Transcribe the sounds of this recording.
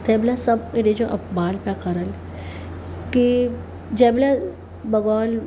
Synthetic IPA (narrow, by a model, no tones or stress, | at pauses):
t̪ʰeːblasɐbeɾed͡ʒoʔɐpbaːlpakɐɾəl | ki | d͡ʒɛːbla | bɐɡɔːl